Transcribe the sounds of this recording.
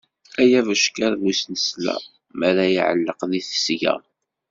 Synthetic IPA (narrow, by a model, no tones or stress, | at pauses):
æjævəʃkæɾvusnəslæ̰ | mæɾæjiʕəlːəqðiθə̥sʝæ̰